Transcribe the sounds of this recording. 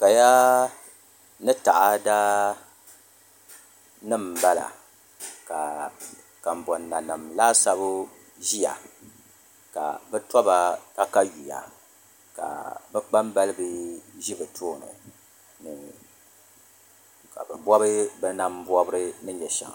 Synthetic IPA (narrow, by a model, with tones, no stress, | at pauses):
ka˨ja˦ | nɨ˦ta˨ʔa˦daː˦ | nɨ˦mba˦la̰˨ | ka˨ | ka˨m˨bɔ˨nːa˨nɨ˨mlaː˦sa˦bʊ˦ | ʒi˦ja̰˨ | ka̰˨bɛ˦tɔ˦ba˨ka˦ka˦ɥi˨ja̰˨ | ka̰˨bɛ˦k͡pa˦mba˦lɨ˦bɨ˦ʒi˦bɨ˨tʰoː˦˨nɨ̰˨ | nɨ˨ | ka̰˨bɛ˨bɔ˦bɨ˦bɛ˦na˦m˦bɔ˦bɨ˦ɾɨ˦nɨ˦ɲɛ˨ʃa̰˨ŋ˨